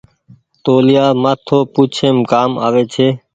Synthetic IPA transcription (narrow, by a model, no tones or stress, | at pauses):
t̪oːlɪjaːmaːt̪ʰoːpuːt͡ʃʰeːmkaːma̰ːʋeːt͡ʃʰeː